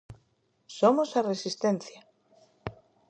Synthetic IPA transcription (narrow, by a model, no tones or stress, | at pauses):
somosaresist̪enθja